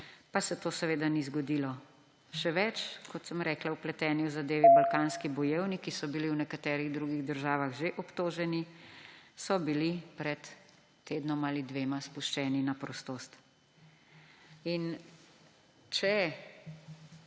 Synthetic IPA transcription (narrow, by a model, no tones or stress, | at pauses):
pasɛt̪oːsɛʋeːd̪anizɡɔd̪iːlɔ | ʃɛʋɛt͡ʃkɔt̪səmɾɛːklawplɛt̪ɛːniwzad̪eːʋibalkaːnskibɔjeːwnikisɔbiliwnɛkat̪ɛːɾiɣd̪ɾuɡiɣd̪əɾʒaːʋaɣʒeʔɔpt̪oːʒɛni | sɔbilipɾɛt̪ː | eːd̪nɔmalid̪ʋeːmaspuʃt͡ʃɛːninapɾɔst̪oːst̪ | in | t͡ʃɛ